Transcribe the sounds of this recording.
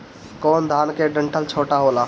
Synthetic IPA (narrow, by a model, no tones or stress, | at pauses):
kɔːnd̪ʱaːnkeɖə̃ɳʈəlt͡ʃʰoːʈaɦoːlaː